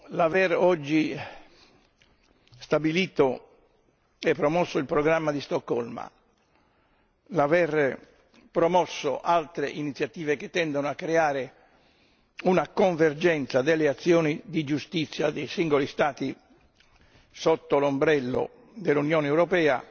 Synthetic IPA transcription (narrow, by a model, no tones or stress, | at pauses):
lavɛrɔd͡ʒːi | st̪abiliːt̪o | epːɾɔmɔsːoilpɾɔɡɾamːad̪ist̪ɔkːɔlma̰ | lavɛr | pɾɔmɔsːo̰ʔalt̪ɾeʔinit̪sːjat̪iːveket̪ːɛnd̪onoakːɾeaːɾe | unakoɱvɛrd͡ʒɛnt̪sad̪elːeat̪sːjɔːnid̪id͡ʒust̪it̪sːjad̪ejsiŋɡolist̪aːt̪i | sɔt̪ːolombɾɛlːo̰ | d̪elːunjɔːnɛwɾɔpɛːa̰